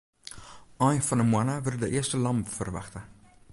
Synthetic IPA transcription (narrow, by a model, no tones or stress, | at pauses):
ɑjfɐnəmwɐnɐvəldəʔiəstəlɐmpfərvɐ̰χtə